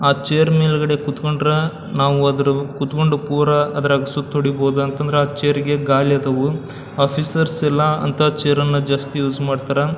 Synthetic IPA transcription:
aːt͡ʃejɐɾmeːlɐɡɐɽe̞kut̪koɳɖɾɐ | naːʋuɐd̪ɐɾukut̪koɳɖupuːɾɐɐd̪ɐɾɐɡɐsut̪ʰːoɽiboːd̪uɐnt̪ɐnd̪ɐɾeaːt͡ʃejɐɾiɡe̞ɡaːljɐd̪ɐʋu | aːpʰisɐɾsɛlːɐɐ̰nt̪ʰat͡ʃejɐɾɐnːɐd͡ʒaːst̪ijuːd͡ʒmaːɖt̪aːɾɐ

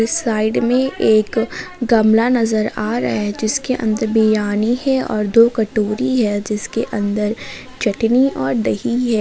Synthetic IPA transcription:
saːɪɖmẽʔeːkɡɐmlanɐzəɾaːɾɐ̰ɦed͡ʒɪskeʔɐ̰̃nd̪əɾbijaːnihɛɔ̰ːɾd̪oːkɐʈoːɾiɦɛd͡ʒɪskeʔɐ̃nd̪əɾ | t͡ʃɐʈniɔːɾɖ̪ɐɦiɦɛː

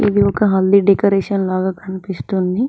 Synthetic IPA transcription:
ḭd̪iɔkɐɦɐld̪iɖekɐɾeːʂɐnlaːɡaːkʰɐnipist̪und̪i

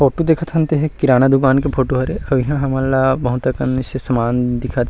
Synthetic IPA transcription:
pʰoːʈud̪eːkʰət̪ʰɦə̃nt̪eɦɛkɪɾaːnad̪ʊkaːnkepʰoːʈuɦɐɾeɐbiɦãɦɐmaːlabɐɦʊt̪akɐnːisesɐmaːnd̪ɪkʰat̪ʰ

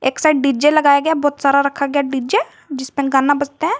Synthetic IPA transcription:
eːksaʈɖɪd͡ʒelɐɡaːjaɡɐjabɔːt̪saːɾaɾɐkʰaɡjaɖid͡ʒe | d͡ʒɪspẽɡaːnabɐd͡ʒt̪eɦɛ̃ː

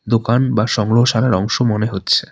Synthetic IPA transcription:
d̪okanbaʃɔŋɡɾoɦoʃalaɾɔŋʃomoneɦotːɕʰe

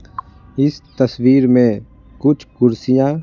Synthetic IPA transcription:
ɪst̪əswiːɾmẽ | kʊt͡ʃʰkʊɾsijãː

